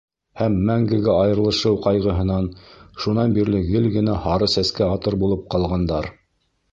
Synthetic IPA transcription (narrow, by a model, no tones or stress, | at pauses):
hæmːæŋɡɘ̆ɡɘɑjɤ̆ɾlˠɤ̆ʃɤwqɑjʁɤ̆ɦɤ̆nɑnʃunɑnbiɾlɘɡɘlɡɘ̆næhɑɾɤsæskæɑt̪ɤɾbulˠɤp̚qɑlˠʁɑnd̪ɑɾ